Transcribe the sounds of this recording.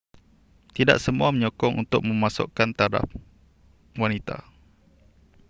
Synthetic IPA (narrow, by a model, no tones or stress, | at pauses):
t̪ida̰ʔsəmuaməɲɔkɔŋʔṵnt̪ʊk̚mə̃mãsʊ̰ʔkant̪aɾa̰p̚ | wanit̪a̰